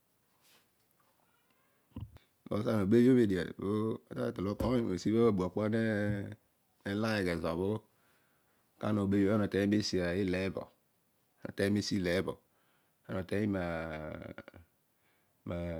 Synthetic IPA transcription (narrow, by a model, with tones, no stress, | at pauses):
bo̰˨˦sa˦no˨be˦jo˦me˨di˨a̰˨bo˦ta˦˨te˨o˦kɔ˦˨e˨si˦bo˦˨bu˨a˨k͡pɔ˦ne˦ | e˦la˦je˨ɡɛ˨zɔ˨bo˦ | ka̰˦no˨be˦a˦no˨tɛ˨˦i˦me˦si˨a˨ji˦le˨˦bɔ̰˨˦ | no̰˨tɛ˦e˦si˦lɛ˨˦bɔ̰˨ | a˦no˨tɛ˦i˦ma˨ | ma˨